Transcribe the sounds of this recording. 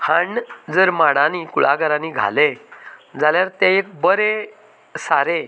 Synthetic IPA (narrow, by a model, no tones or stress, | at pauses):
haɳd͡zəɾmaɽãnikuɭaɡəɾãniɡʱa̰led͡zʱaljaɾt̪ẽek̚bəɾe | saɾe